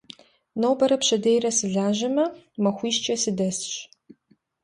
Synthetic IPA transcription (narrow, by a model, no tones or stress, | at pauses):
noːbɐɾɐpɕɐdejɾɐsɨɮaːʑɐmɐmɐxʷiːʃt͡ʃʼɐsɨdɐsɕ